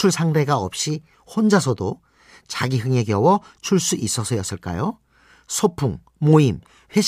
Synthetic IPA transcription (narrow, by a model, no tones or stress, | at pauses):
uɭsʰaŋde̞ɡaʌp̚ɕ͈i | ɸond͡ʑasʰʌdo | t͡ɕaɡiɦɯŋe̞ɡjʌwʌt͡ɕʰuɭs͈uʔis͈ʌsʰʌjʌs͈ɯɭk͈a̰jo | sʰopʰuŋ | moim | ɸwe̞